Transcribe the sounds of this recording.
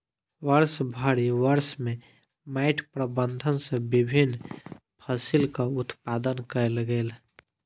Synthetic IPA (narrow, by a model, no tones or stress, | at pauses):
wəɾsbʱəɽiwəɾsmẽ | maɪʈʰpɾəbənd̪ʱənsẽbibʱin | pʰəsilkaʊt̪pad̪ənkəelɡeːl